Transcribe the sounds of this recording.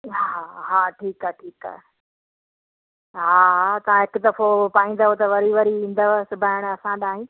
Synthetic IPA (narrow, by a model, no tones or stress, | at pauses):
ɦaɦaːʈʰiːkaʈʰiːka̰ɦ | ɦaːɦat̪ɐʋãɦɪkʊd̪ɐfopaːĩːn̆d̪aɦot̪ɐʋɐɾiʋɐɾiĩːnd̪aʋsʊbʱaːɪɽ̃ɐsãɗaːɦĩː